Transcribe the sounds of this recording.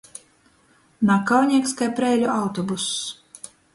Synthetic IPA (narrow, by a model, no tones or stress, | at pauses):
nakawnʲiɛkskajpɾɛːlʲuʔawt̪ɔbus